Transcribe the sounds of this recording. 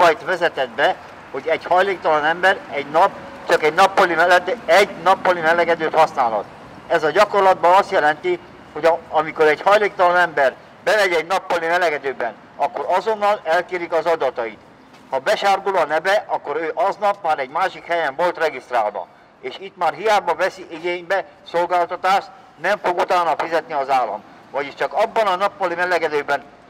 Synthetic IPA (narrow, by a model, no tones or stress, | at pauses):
ɒjt̪ʋɛzɛt̪ɛd̪̚bɛ | ho̞ɟɛɟhɒjleːkt̪ɒlɒnɛmbɛɾɛɟnɒpː | t͡ʃɒkɛɟnɒpːɒlimɛlːɛt̪ːɛɟnɒpːɒlimɛlɛɡɛd̪øːt̪hɒsnaːlɒ̰t̪ | ɛzɒɟɒkorlɒd̪bɒnɒst̪jɛlɛnt̪i | ho̞ɟɒmiko̞ɾɛɟhɒjleːkt̪ɒlɒnɛmbɛr | bɛmɛɟɛɟnɒpːɒlimɛlɛɡɛd̪øːbɛn | ɒkːo̞ɾɒzo̞nːɒlɛlkeːɾikɒzɒd̪ɒt̪ɒit̪ | hɒbɛʃaːrɡulɒnɛbɛʔɒkːo̞ɾøːʔɒznɒpmaːɾɛɟmaːʃikhɛjɛɱvo̞lt̪rɛɡist̪raːlvɒ̰ | eːʃit̪maːrɦijaːbɒvɛsiʔiɡeːɲbɛ | solɡaːlt̪ɒt̪aːʃt̪ | nɛɱfo̞ɡut̪aːnːɒfizɛt̪niɒzaːlːɒ̰m | vɒɟiʃt͡ʃɒkɒbːɒnɒnɒpːɒlimɛlɛɡɛd̪øːbɛn